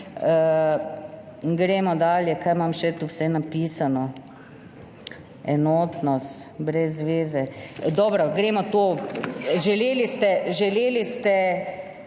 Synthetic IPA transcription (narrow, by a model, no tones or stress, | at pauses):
ə | ɡɾemɔd̪aːljɛkaːjmamʃɛt̪uwsɛnapiːsanɔ | ɛnoːt̪nɔst̪bɾɛzːʋeːzɛd̪ɔːbɾɔɡɾemɔt̪oː | ʒɛleːlist̪ɛʒɛleːlist̪ɛ